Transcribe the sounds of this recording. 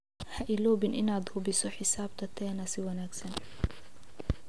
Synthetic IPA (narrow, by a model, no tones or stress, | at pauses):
hɐʔɪlɔːbɪnʔɪnaːd̪hʊbɪsɔħɪsaːb̚t̪ʰɐt̪ʰɛːnɐsɪwɐnaːɡsɐn